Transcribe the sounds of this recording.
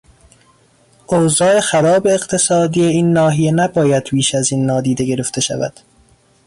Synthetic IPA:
ʔoːzɒːe̞xæɾɒːbe̞ːqt̪ʰe̞sɒːd̪ijeiːnːɒːɦijenæbɒːjæd̪̥piːʃæziːnːɒːd̪iːd̪e̞ɡe̞ɾe̞ft̪ʰe̞ʃæ̰væ̰d̪̥

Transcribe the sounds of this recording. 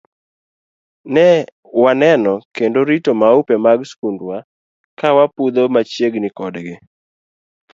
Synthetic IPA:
nɛ | wanɛnɔkendoɾitomaupemaɡskundwa | kawapud̪omat͡ʃjeɡnɪkɔdɡɪ

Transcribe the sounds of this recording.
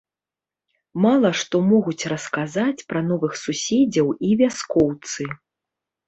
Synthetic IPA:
malˠɐʂt̪ɔmɔɣut͡sʲrɐskazat͡sʲpɾɐnɔvɨxsusʲɛd͡zʲɐwivʲaskɔwt̪sɨ

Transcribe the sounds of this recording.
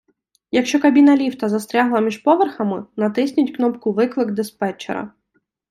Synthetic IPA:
jɐkʃt͡ʃɔkɐbʲinɐlʲiwt̪ɐzɐst̪ɾʲaɦlˠɐmʲiʒpɔʋerxɐmɪnɐt̪ɪsʲnʲʊtʲknɔpkʊʋɪklˠɪɡd̪ɪspɛt͡ʃḛɾɐ̰

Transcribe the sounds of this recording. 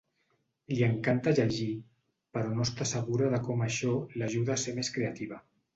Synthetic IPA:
liəŋkant̪aʒəʒi | pəɾɔnost̪asəɣ̞uɾaðəkɔmaʃɔlaʒuðaːsemeskɾeat̪iβ̞a

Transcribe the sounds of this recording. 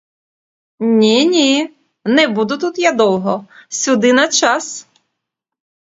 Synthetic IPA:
nʲinʲi | nɛbud̪ʊt̪ut̪jad̪ɔw̪ˠɦɔsʲʊd̪ɪnɐt͡ʃɑs

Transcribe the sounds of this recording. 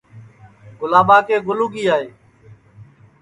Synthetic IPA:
ɡʊlaːbaːkeːɡʊluːɡiːaːɦeː

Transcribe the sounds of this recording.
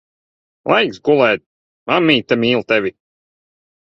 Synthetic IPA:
lˠajksɡulˠɛːt̪̚ | mamːiːt̪ːamiːlˠt̪ɛvʲi

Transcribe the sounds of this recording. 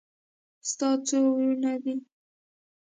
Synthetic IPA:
st̪ɑt͡sowunad̪i

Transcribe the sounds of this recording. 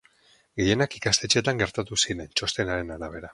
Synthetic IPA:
ɡe̞je̞nakikast̪e̞t͡ʃe̞t̪aŋɡe̞ɾt̪at̪usiɾe̞nt͡ʃo̞st̪e̞naɾe̞naɾaβ̞e̞ɾa

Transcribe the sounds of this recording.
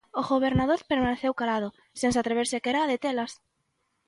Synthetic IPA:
oɣoβeɾnaðoɾpeɾmaneθewkalað̞o | sẽnsat̪ɾeβ̞eɾsɪakeɾaːðet̪elas

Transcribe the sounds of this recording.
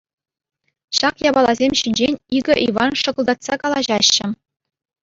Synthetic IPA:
ɕɑkjɑbɑlˠɑzʲemʲɕinʲd͡ʑenʲiɡʲɘ̆ʔiʋɑnʂɤ̆ɡɤ̆lˠd̪ɑt̪sɑkɑlˠɑʑɑɕːɘ̆

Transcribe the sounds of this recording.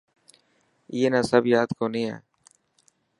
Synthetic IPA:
ɪːeːnãːsəbjaːd̪koːnĩːã̰ː

